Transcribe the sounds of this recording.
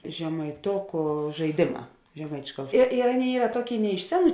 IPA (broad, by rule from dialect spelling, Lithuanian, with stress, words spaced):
ʒʲɛmɐɪˈtoːkʊ ʒɐɪˈdʲeːˌmɑː ʒʲɛˈmɐɪt͡ʃʲʊ ɪr ɪr ˈɑːˌnʲeːɪ ˈiːrɐ ˈtuɔˌkʲeːɪ nʲɛ ɪʃ ˈsʲæːˌnuː